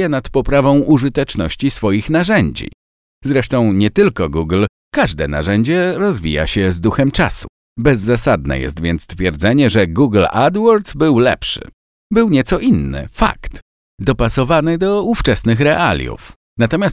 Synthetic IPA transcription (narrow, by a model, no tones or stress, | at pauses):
ɛnat̪pɔpɾavɔ̃w̃ʔuʐɘt̪ɛt͡ʂnɔ̰ɕt͡ɕisfɔjixnaʐɛɲd͡ʑḭ | zɾɛʂt̪ɔ̃w̃ɲɛt̪ɘlkɔɡuɡl | kaʐd̪ɛna̰ʐɛɲd͡ʑɛɾɔzvʲija̰ɕɛzd̪uxɛmt͡ʂasu̥ | bɛzːasad̪nɛ̰jɛ̰st̪vʲjɛ̰nt̪st̪fʲjɛɾd̪zɛɲɛʐɛɡuɡla̰d̪wɔɾd̪zbɘwlɛ̰pʂɘ̰ | bɘwɲɛt̪sɔʔinːɘ̰fa̰kt̪ | d̪ɔpasɔvanɘd̪ɔuft͡ʂɛsnɘxɾɛʔa̰lʲjṵf | nat̪ɔmʲjast̪